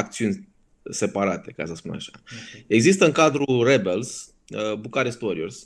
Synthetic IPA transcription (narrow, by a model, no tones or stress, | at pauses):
ak̚t̪siunʲ | se̞paɾat̪e̞ka̰səspun̰a̰ʃae̞ɡzist̪əɨŋkad̪ɾurebels | əbukaɾest̪oɾʲiors